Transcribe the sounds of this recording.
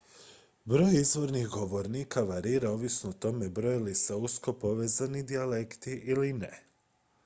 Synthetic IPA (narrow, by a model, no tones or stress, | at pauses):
bɾo̞ːjizʋo̞ɾnixɡo̞ʋo̞ɾniːkʰaʋaɾiːɾao̞ʋisnoot̪o̞me̞bɾo̞jiliseusko̞po̞ʋe̞ːzanid̪iale̞kt̪iʔiline